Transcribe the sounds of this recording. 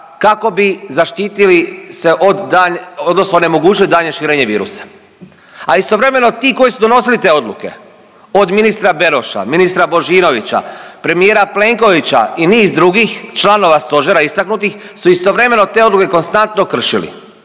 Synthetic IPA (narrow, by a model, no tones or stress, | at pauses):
kako̞bizaʃt̪iːt̪ilise̞ʔod̪d̪aɲod̪no̞snone̞mo̞ɡuːt͡ʃilid̪aːɲeʃiːɾeːɲe̞ʋḭːɾṵsḁ | aist̪o̞ʋɾe̞me̞no̞t̪iːko̞jisud̪o̞no̞silit̪e̞ːo̞d̪lˠuke̞̰ | o̞d̪minist̪ɾabe̞ɾo̞ʃa̰minist̪ɾabo̞ʒiːno̞ʋit͡ɕa̰pɾe̞mijeːɾaple̞ŋko̞ʋit͡ɕa̰iniːzd̪ɾuɡixt͡ʃlano̞ʋast̪o̞ʒeɾaist̪aknut̪ix | suist̪o̞ʋɾe̞me̞no̞t̪e̞o̞d̪luke̞ko̞nst̪ant̪no̞kr̩ʃilḭ